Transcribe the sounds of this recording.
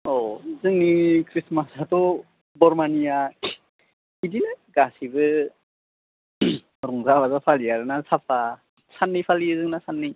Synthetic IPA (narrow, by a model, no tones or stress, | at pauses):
ɔzɯŋnikʰɾismasatɔ | bɔɾmanija | idinaɡasibɯ | ɾɔŋzaβazapʰalijaɾɯnasapʰa | sanːipʰalizɯŋnasanːi